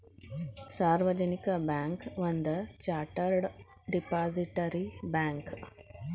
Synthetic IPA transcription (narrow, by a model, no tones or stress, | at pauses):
saːɾʋɐd͡ʒɐnikɐbaːŋkʋɐnd̪ɐt͡ʃaːʈɐɾɖ | ɖipaːziʈɐɾibaːŋk